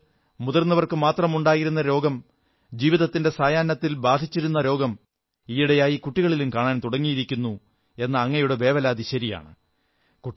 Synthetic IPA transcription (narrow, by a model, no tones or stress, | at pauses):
muðɐrnːɐʋɐrkɨmaːt̪rɐmuɳɖaːjiɾunːɐɾo̞ːɡɐm | d͡ʑiːʋiðɐt̪ːinde̞saːjaːnːɐt̪ːilbaːd̪ʱit͡ɕːiɾunːɐɾo̞ːɡɐm | ijiɽejaːjikuʈːiɣɐɭilumkaːɳaːnt̪uɽɐŋːijiɾikʲːunːu | e̞nːɨɐŋːɐjuɽebe̞ːʋɐlaːd̪iɕɐɾija̰ːɳɨ̰ | ku